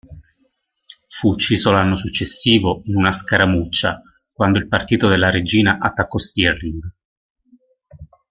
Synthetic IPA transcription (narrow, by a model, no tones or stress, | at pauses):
fuːt͡ʃːiːzolanːosut͡ʃːesːiːvoinunaskaɾamut͡ʃːa | kwand̪oilpart̪iːt̪od̪elːaɾed͡ʒiːnaʔat̪ːakːɔst̪iɛriŋɡ